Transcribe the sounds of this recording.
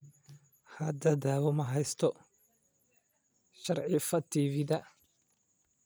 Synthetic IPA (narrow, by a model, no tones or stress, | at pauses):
hɐd̪ɐd̪aːwɐmɐɦɛjst̪ʰɔ | ʃɐrʕɪfɐt̪ʰivɪðɐ